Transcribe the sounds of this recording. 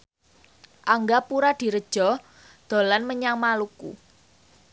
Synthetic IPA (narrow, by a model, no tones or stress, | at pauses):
ʔaŋɡapuɾad̪̥i̤ɾəd̥ʒ̥ɔ̤ | d̪̥o̤lanməɲaŋmalukṵ